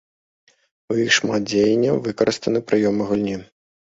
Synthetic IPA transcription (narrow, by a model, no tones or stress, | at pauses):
ujixʂmad̪̚d͡zʲejɛnʲːɐvɨkɐɾʔɨst̪ɐnɨpɾɨjɔmɨɣulʲnʲi